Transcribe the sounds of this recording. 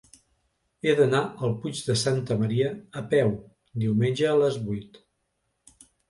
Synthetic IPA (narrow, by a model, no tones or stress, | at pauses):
eðənaʔəlˠpud͡ʒðəsant̪əməɾiəːpɛw | d̪iwmenʲʒəːləzβujt̪